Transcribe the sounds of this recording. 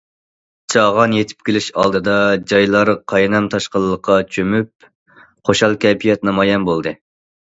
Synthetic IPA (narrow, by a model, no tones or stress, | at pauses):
t͡ʃʰɑʁɑnjet̪ʰɪ̥p̚kʲʰelɪʃɑ̰lˠd̪ɨd̪ɑd͡ʒɑjlˠɑɾqʰɑjnɑmt̪ʰɑʃqəlˠːəqʰːɑt͡ʃʰømyp̚ | χoʃɑlˠkʲʰɛpʰijɛt̪nɑmɑjɛnbolˠd̪ɨ